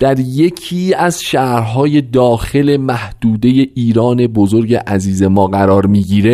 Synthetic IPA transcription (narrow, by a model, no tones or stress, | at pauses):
d̪̥æɾje̞cʰiːæzʃæːɾɦɒːje̞d̪ɒːxe̞le̞mæhd̪uːd̪e̞je̞ʔiːɾɒːne̞bo̞zo̞ɾɟe̞ʔæziːze̞mɒːɢæɾɒːɾmiːɟiːɾe